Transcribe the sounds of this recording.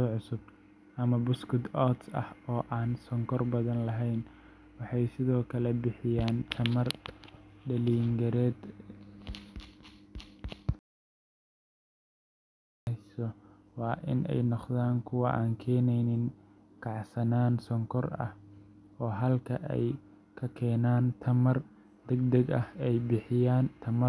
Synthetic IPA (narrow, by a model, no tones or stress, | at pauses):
ʕʊsʊb̚ | ʔɐmɐbʊskʊd̪ɔt̪sɐ̰hɔːʔaːnsɔŋkʰɔrbɐðɐnlɐɦɛjn | wɑħɑjsɪðɔːkʰɐlɛbɪħɪjaːnt͡ʃʰɐmɐr | ɖɐliːŋɡɐɾɛːd̪ | sɔ | wɑːʔɪ̰nɛ̰jnɔqðaːŋkʰʊwɑʔaːŋkʰɛːnɛjnɪŋ | kʰɑʕsɐnaːnsɔŋkʰɔrɐ̰h | ɔːɦɐlkʰɐʔɛ̰j | kʰɐkʰɛːnaːnt̪ʰɐmɐr | d̪ɛɡ̚d̪ɐɡɐhɛjbɪħɪjaːnt̪ʰɐmɐ